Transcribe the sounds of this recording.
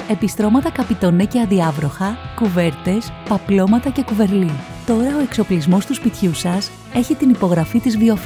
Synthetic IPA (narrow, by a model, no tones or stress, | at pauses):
e̞pist̪ɾo̞mɐt̪ɐkɐpit̪o̞neceɐðiɐvɾo̞xɐkuve̞ɾt̪e̞spɐplo̞mɐt̪ɐce̞kuve̞ɾli | t̪o̞ɾɐoe̞kso̞plizmo̞st̪uspit̪çusɐs | e̞çit̪inipo̞ɣɾɐfit̪izvio̞f